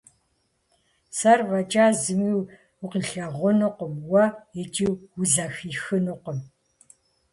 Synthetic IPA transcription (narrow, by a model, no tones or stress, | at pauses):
sɐrvɐt͡ʃʼaːzɨmiːw | ʊqiɬɐʁʷʊnɨqʷɔmwɐjɛt͡ʃʼiːwwʊzɐxiːxɨnɨqɔm